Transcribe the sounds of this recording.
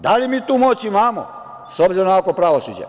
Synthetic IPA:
d̪alimiːt̪uːmot͡ɕimaːmo̰ | sobziɾonkakopɾaʋosṵd͡ʒḛ

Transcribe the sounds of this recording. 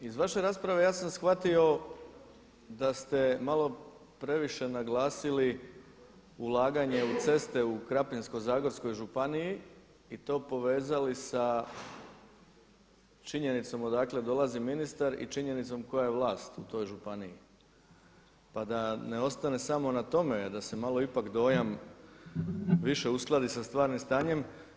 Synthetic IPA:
izʋaʃe̞ɾaːspɾaʋe̞jaːsamsxʋat̪io̞ | d̪ast̪e̞malˠo̞ | pɾe̞ʋiʃe̞naɡlaːsili | ulˠaːɡaɲe̞ut̪se̞st̪e̞ukɾapinsko̞zaːɡo̞ɾsko̞jʒupaniji | it̪o̞ːpo̞ʋe̞ːzalisa | t͡ʃiɲe̞nit̪so̞mod̪aːkle̞d̪o̞lˠaziminist̪aɾḭt͡ʃiɲe̞nit̪so̞mko̞jajeʋlaːst̪ut̪o̞jʒupanii | pad̪ane̞o̞st̪ane̞samo̞nat̪o̞me̞d̪ase̞malo̞ipakd̪o̞ːjam | ʋiʃe̞usklˠad̪isast̪ʋaːɾnimst̪aːɲe̞m

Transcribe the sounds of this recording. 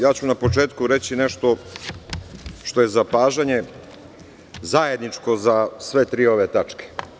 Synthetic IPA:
jaːt͡ɕunapo̞t͡ʃe̞ːt̪kuɾet͡ɕineʃt̪o̞ | ʃt̪oje̞zapaːʒaɲe̞ | zajed̪nit͡ʂko̞zasʋe̞t̪ɾiːo̞ʋet̪at͡ʂke̥

